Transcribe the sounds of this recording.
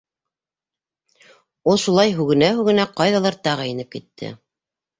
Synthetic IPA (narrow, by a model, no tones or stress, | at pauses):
oʃulˠɑjɦʉɡɘ̆næɦʉɡɘ̆næqɑjðɑlˠɑɾt̪ɑʁɑjɘ̆nɘp̚kit̪ʰːɘ̰